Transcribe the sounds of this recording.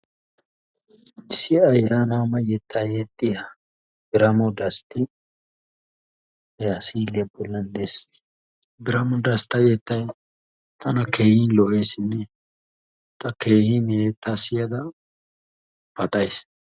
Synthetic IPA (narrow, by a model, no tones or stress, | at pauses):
ɪsɪɐjːaːnaːmɐjɛt̪ːɐjeːt̪ʼːɪjɐ | ɡɪɾɐmɔd̪ɐst̪ɪ | jasiːlːɪjɐbɔlːɐnd̪es | ɡɪɾɐmɔd̪ɐst̪ɐjɛt̪ːɐj | t̪ʰɐnɐkʰeːhɪnlɔʔe̞ːsɪnːɛ | t̪ɐke̞ːhineːt̪ːasɪjɐd̪ɐ | pɐt̪ʼɐjs